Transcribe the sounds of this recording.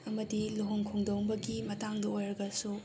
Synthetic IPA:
ɐmɐdiloɦoŋkʰoŋdoŋbɐɡimɐtaŋdɐojɾɐɡɐsu

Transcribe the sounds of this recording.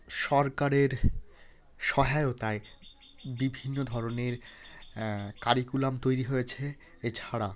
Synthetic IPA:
ʃɔɾkaɾeɾ | ʃɔɦaeot̪ae | bibʱinːod̪ʱɔɾoneɾ | kaɾikulamt̪ojɾiɦojet͡ɕʰe | et͡ɕʰaɽa

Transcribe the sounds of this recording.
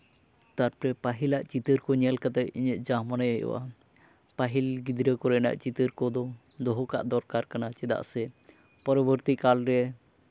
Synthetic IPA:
t̪aɾpɾɛpaɦilaʔt͡ʃit̪əɾkɔɲɛlkat̪ɛʔiɲəʔ̚d͡ʒamanajəjɔ̰ʔa̰ | paɦilɡid̪ɾəkɔɾɛna̰ʔt͡ʃit̪əɾkɔd̪ɔ | d̪ɔɦɔka̰ʔd̪ɔɾkaɾkanat͡ʃɛd̪a̰ʔsɛ | pɔɾɔbəɾt̪ikalɾɛ

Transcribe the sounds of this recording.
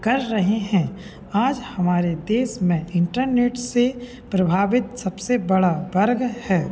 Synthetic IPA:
kɐɾːɐɦeɦɛ̃ | aːd͡ʒhɐmaːɾed̪eːsmẽɪ̃ɳʈəɾneːʈse | pɾɐbʱaːʋɪt̪sɐbsebɐɽabɐɾɡhɛː

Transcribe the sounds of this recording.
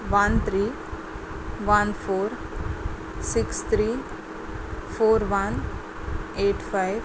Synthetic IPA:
ʋɐnt̪ʰɾiː | ʋɐnfʰoːɾ | sɪkst̪ʰɾiː | fʰoːɾʋan | eːʈfaɪʋ

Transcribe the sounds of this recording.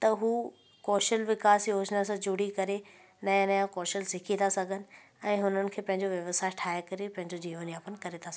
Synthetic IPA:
t̪ɐɦuː | kɔːʃəlʋɪkaːsjoːd͡ʑnasãd͡ʑuɽikɐɾe | nɐ̃njãkɔːʃəlsɪkʰit̪ʰasɐɡʱənɪ̆ | ɛ̃ːɦʊnənɪ̆kʰeːpɐ̃ɦɪ̃ɲd͡ʑoʋjɐʋəsaːɪʈʰaːekɐɾepɐ̃ɦɪ̃ɲd͡ʑod͡ʑiːʋaːniaːpənɪkɐɾet̪ʰasɐɡ

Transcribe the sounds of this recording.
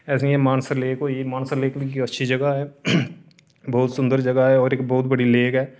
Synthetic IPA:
ɛːs̬eemaːnsəɾleːkoemaːnsəɾleːkkiɐtːʃʰid͡ʒɐɡaɦɛː | bɔːt̪sʊ̃nd̪əɾd͡ʒɐɡaɦɛɔːɾeːk̚bɔːʊt̪bɐɽileːkɦɛː

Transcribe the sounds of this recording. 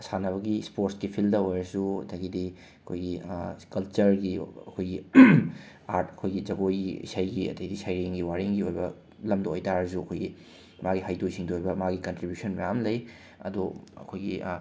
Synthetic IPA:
sanɐβɐɡispoɾskipʰildɐojɾɐsuɐtʰɐɡidi | ɐkʰojɡikɐlt͡ʃɐɾɡiɐkʰojɡi | aɾtɐkʰojɡid͡ʒɐɡojɡiḭsajɡiɐ̰tɐjdisajɾiŋɡiwaɾiŋɡiojbɐ | lɐmdɐojtaɾɐsuɐkʰojɡi | maɡiɦajdojsiŋduojbɐmaɡikɐntɾibjusɐnmɐjamlɐj | ɐ̰duɐ̰kʰojɡi

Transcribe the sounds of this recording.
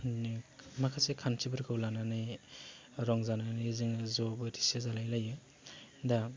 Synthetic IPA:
nimakʰasekʰansʰibɯɾkʰɯwlananɯj | ɾɔŋzananizɯŋzɔbɯtʰi̥sezalajlajɯ | da

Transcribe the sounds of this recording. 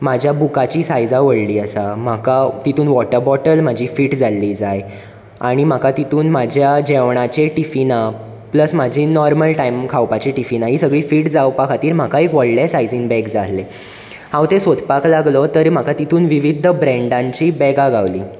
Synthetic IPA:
mad͡ʑʱjabukat͡ɕiːsajd͡zaʋəɽliːəsam̤akat̪it̪ʰuːnʋɔʈəɾbɔʈəlm̤ad͡ʑʱiːfiːʈd͡zalːiːd͡zaj | aɽ̃im̤akat̪it̪ʰuːnmad͡ʑʱjad͡ʑeʋɳ̃at͡ɕeʈifina | pləsmad͡ʑʱiːnɔɾməlʈaimkʰawpat͡ɕiʈifinaɦiːsəɡɭiːfiːʈd͡zawpakʰat̪iːɾm̤akaekʋəɽlesajd͡ziŋbɛɡd͡zale | hãwt̪ẽsod̪ʱpaklaɡlɔt̪əɾm̤akat̪it̪ʰuːnʋiʋid̪ʱːəbɾɛ̃ɳɖãɲt͡ɕiːbɛɡaɡaʋliː

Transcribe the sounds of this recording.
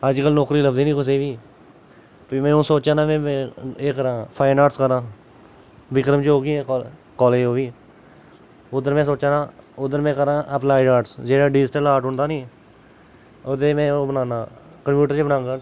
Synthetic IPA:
əd͡ʒkəlnɔːkɾiːləbd̪iːniːkʊs̬eːʋiː | piːmɛ̃ːũːsoːt͡ʃãːnãːmɛ̃ːeːkəɾãːpʰaːɪnaːʈskəɾãː | ʋɪkɾəmt͡ʃɦoːɡiɛ̃ːkː | kɔːleːɦoːʋiː | ʊd̪əɾmɛ̃ːsoːt͡ʃãːnãːʊd̪əɾmɛ̃ːkəɾãːʔəplaːɪɖaːʈsd͡ʒeːɽaːɖiːsʈəlaːɾʈɦʊ̃ɳd̪aːniː | ot̪eːmɛ̃ːoːbənaːnaː | kəmpjuːʈəɾt͡ʃebənãːŋɡaː

